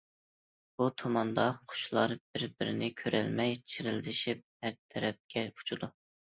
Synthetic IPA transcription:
b̥ut̪ʰomɑnd̪ɑqʰʊ̥ʃlˠɑɾbɪɾbɪɾɪnɪkʲʰøɾɛ̰lmɛjt͡ʃʰɪɾɪld̪ɪʃip̚hæɾt̪ʰɛɾɛp̚kʲʰɛu̥t͡ʃʰud̪u

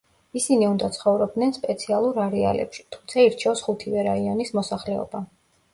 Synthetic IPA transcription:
isiniund̪at̪sʰχɔvɾɔb̚d̪nɛnspʼɛt̪sʰialˠuɾaɾɛa̰lɛ̰pʃi̥t̪ʰu̥mt̪sʰaiɾt͡ʃʰɛɔsχut̪ʰivɛɾaiɔnismɔsaχlɛɔ̰ba

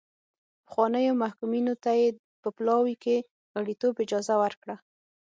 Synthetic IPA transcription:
pə̥xwɑnəjomahkuminot̪aje | pəplɑwike | aɽit̪obɪd͡ʒɑzawəɾkɽa

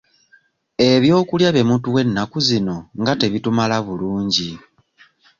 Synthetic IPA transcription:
e̞βjo̞ːkuljaβe̞mutuwe̞nːakuzino̞ŋɡate̞βitumalaβuluːɲɟi

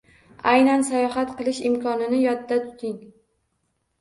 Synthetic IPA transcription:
ajnansajɒɦat̪qʰɨlˠɪʃɪmkʰɒnɪnɪjɒd̪d̪at̪ʰʊ̥t̪ɪŋ

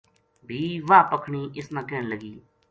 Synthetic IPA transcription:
bʱiːʋaːpəkʰɳiːʔɪsnãːkɛːɳləɡiː

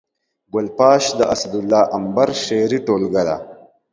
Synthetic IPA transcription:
ɡʊlpɑːʃd̪əʔɐsɐd̪ulːɑːʔɐmbaɾʃeɾiʈoːlɡad̪a̰

